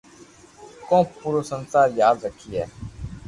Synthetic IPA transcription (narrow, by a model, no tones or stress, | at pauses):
kõːpuːɾoːsənsaːɾjaːd̪ɾəkʰːiːɛː